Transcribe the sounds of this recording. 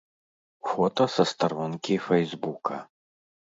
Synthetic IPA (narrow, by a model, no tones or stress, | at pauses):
fɔt̪ɐsɐst̪aɾɔnkʲifɛjzbukʰɐ